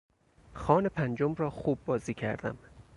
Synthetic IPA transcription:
xɒːnepʰænd͡ʒo̞mrɒːxuːb̚ːɒːziːcʰæ̰ɾd̪æ̰m

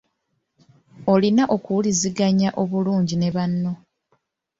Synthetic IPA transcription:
olinaʔo̞kuwuliziɡaɲaʔo̞βuluːɲɟine̞βanːo̞

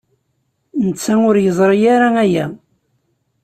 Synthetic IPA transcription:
nət͡sːæʊɾjəzˤɾˤijaɾaæjæ

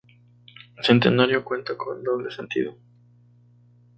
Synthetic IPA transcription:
esent̪e̞naɾjokwe̞nt̪akʰo̞̰nd̪oβlesent̪ḭðo

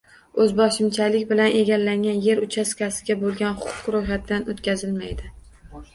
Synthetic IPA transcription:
ɵzbɒʃɪmt͡ʃʰalɪkʲbɪlanʔe̞ɡʲalːaŋʲanje̞ɾʊt͡ʃʰaskʲasɪɡʲabolˠɡʲanχʊ̥qʰʊ̥qɾojχat̪̚d̪anot̪kʲazɪlmajd̪ɪ

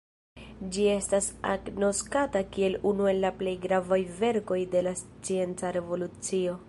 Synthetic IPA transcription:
d͡ʒie̞stasa̰ɡno̞skatakie̞lunue̞lːaple̞jɡɾavajve̞ɾko̞jde̞last͡sie̞nt͡saɾe̞vo̞lut͡sio̞

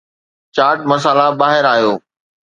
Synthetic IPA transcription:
t͡ɕaːɾʈ̚mɐs̬aːlabaːɦɪɾaːɦijoː

